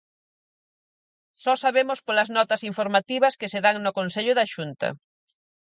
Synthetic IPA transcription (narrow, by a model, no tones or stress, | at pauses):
sɔsaβemʊspolɐznɔt̪ɐsiɱfoɾmat̪iβɐskɪseðaŋnʊkonseʎʊðɐʃunt̪ɐ̰